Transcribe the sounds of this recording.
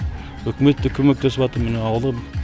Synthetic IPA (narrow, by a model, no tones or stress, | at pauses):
ɵkʲɪme̞t̪ːɪkʲʰɵme̞k̚t̪ʰe̞sɪpɑt̪əɾmɪneɑwəlˠə